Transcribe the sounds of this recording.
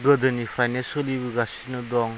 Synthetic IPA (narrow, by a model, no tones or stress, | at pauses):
ɡɯdɯnipʰɾajnasɔlibiɡasinɯdɔŋ